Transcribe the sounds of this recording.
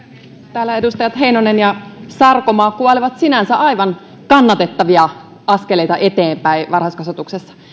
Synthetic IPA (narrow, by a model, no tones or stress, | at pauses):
t̪æːlːæedust̪ɑjɑt̪ɦe̞inonenjɑsɑrkomɑːkuɑliʋɑt̪sinænsæʔɑjʋɑn | kɑnːɑt̪e̞t̪ːɑʋiɑ | ɑskelejt̪ɑʔe̞t̪eːmpæiʋɑrhɑskɑsʋɑt̪uksesːɑ̥